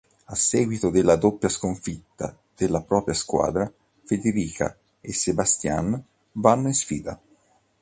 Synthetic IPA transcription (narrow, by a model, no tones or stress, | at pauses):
asːɛːɡwit̪od̪elːad̪opːjaskoɱfit̪ːa̰ | d̪̥elːapɾɔːpɾjaskwa̰ːd̪ɾa | fed̪eɾiːkʰa̰ | esːebast̪ja̰n | vanːoinsfḭːd̪a